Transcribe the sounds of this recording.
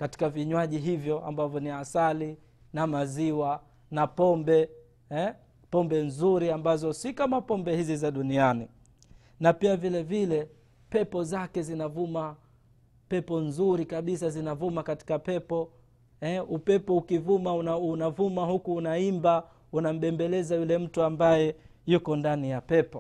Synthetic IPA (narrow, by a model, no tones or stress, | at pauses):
kati̥kaviɲwaʄiɦivjɔʔa̰mbavjɔniasali | namaziwa | napɔmbɛ | ɛ | pɔmbɛnzuɾiambazɔsikamapɔmbɛhizizaɗuniani | napiavilɛvilɛ | pɛpɔzakɛzinavuma | pɛpɔnzuɾikaɓis̬azinavumakati̥kapɛpɔ | ɛupɛpɔukivumaunaunavumahukuːnaimba | unam̩ɓɛmbɛlɛzajulɛm̩tuambajɛ | jukɔndanijapɛpɔ